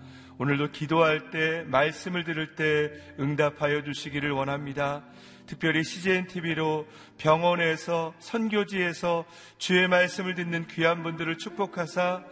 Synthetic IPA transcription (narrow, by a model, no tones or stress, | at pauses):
onɯɭdokidoɦaɭt͈e̞maɭs͈ɯmɯɭdɯɾɯɭt͈e̞ | ɯŋdapʰajʌd͡ʑuɕʰiɡiɾɯɭwʌnɦamɲida | tɯk̚p͈jʌɾiɕʰid͡ʑeintʰibiɾo | pjʌŋwʌne̞sʰʌsʰʌnɡjod͡ʑie̞sʰʌ | t͡ɕue̞maɭs͈ɯmɯɭdɯnːɯnkɥiɦanbundɯɾɯɭt͡ɕʰuk̚p͈okʰasʰa